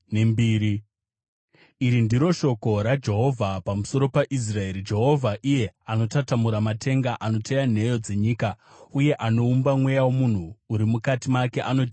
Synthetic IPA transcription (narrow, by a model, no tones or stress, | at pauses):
nembiːɾi | iɾindiɾo̞ʃo̞ko̞ɾad͡ʒe̞ɦo̞vʱapamuso̞ɾo̞paʔis̬rae̞ɾid͡ʒe̞ɦo̞vʱaʔije̞ano̞tatamuɾamatʰe̞ŋɡaʔano̞tʰejan̤e̞jo̞d͡ze̞ɲiːka | uje̞ʔano̞umbamwe̞jawomun̤uːɾimukatimake̞ʔano̞d͡ʒ